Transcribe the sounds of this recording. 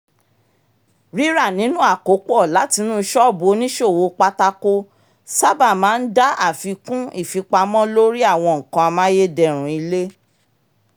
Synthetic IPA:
ɾi˦ɾa˦˨nĩ˨˦nũ˦a˦˨ko˨˦k͡pɔ˦˨la˨˦ti˧nũː˦˧˦ʃɔ˦˨bo˨˦nĩ˦ʃo˦˨wo˧k͡pa˧ta˧ko˧ | sa˦ba˦˨mãː˨˦n̩˦da˦a˦˨fi˨˧kũ˦i˦˨fi˨˧k͡pa˧mɔ̃˦lo˦ɾi˦a˦˨w̃ɔ̃˧ŋ̩˨kã˧a˧mã˦je˦dɛ˨ɾ̃ũ˨˦i˧le˦

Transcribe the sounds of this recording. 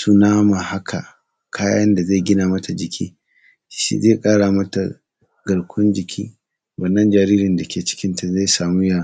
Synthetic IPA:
su˦naː˦ma˨ha˦kʰa˨ | kʰaː˦jaːɐ˦nda˨ze˦˨ɡʲɪ˦naː˨mɐ˦tʰa˨d͡ʒɪ˨kʲʰḭː˦˨˦ | ʃḭ˦ze˦kʼaː˦ɽaː˨mɐ˦ta̰˨ | ɡɐ˨ɽkʷʰʊ˦nd͡ʒɪ˨kʲʰiː˦ | wɐ˨nːɐ˦nd͡ʒaː˨ɾiː˦ɾɪ˨nda˨kʲʰeː˨t͡ʃɪ̥˦kʲɪ˦nta˨ze˦jsaː˨muː˦jaː˦˨

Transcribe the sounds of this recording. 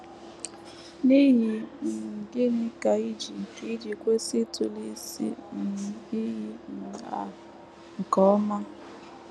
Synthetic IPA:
ni˦ɦi˨dɪ˦nɪ˦ka˨i˦d͡ʒi˨i˦d͡ʒi˨kʷe˦si˦tʊ˨li˦sḭ˦n̩˨i˦ɦi˦n̩˨a̰˨ | ŋ̩˨kɔ˨˦ma˦

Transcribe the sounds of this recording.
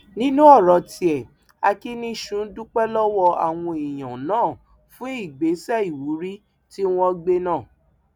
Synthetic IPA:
nĩ˦nũ˦ɔ˦˨ɾɔ˨ti˧ɛ˨ | a˧ki˦nĩ˦ʃũ˨˦dũ˦k͡pɛ˦lɔ˦wɔ˧a̰˨w̃ɔ̃˧i˨j̃ã˨nãː˨˦˨ | fũ˦i˦˨ɡ͡be˨˦sɛ˦i˨wu˨˦ɾi˦ | ti˦w̃ɔ̃˧ɡ͡be˧nãː˦˨

